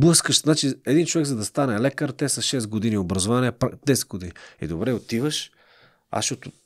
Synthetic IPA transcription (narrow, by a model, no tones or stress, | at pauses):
blˠɤskəʃznat͡ʃiɛd̪int͡ʃovɛɡzɐd̪ɐst̪anɛlɛkəɾt̪ɛsɐʃɛst̪ɡod̪iniobɾɐzovaniɛpd̪ɛsɛ̥t̪̚ɡod̪iniḭd̪obɾɛot̪ivəʃ | a̰sʃɔt̪ʊ